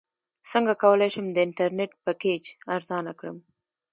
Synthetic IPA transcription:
səŋɡakawəlajʃəmd̪əɪɳʈaɾneʈ̚pəked͡ʒaɾzɑnakɽə̰m

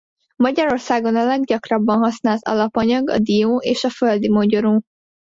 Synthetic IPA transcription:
mɒɟɒɾo̞rsaːɡo̞nɒlɛɡɟɒkrɒbːɒnɦɒsnaːlt̪ɒ̰lɒpɒɲɒɡɒ̰d̪ijoːeːʃɒføld̪imoɟo̞ɾoː

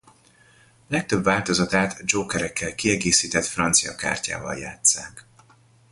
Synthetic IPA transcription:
lɛk̚t̪ø̞bvaːlt̪o̞zɒt̪aːt̪d͡ʒoːkɛɾɛkːɛlkiɛɡeːsiːt̪ɛt̪frɒnt̪sijɒka̰ːrca̰ːvɒ̰lja̰ːt̪sa̰ːk

